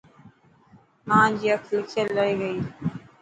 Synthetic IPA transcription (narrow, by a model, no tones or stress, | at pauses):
mãːd͡ʑiːəkʰlɪkʰjəlləɽiːɡəiː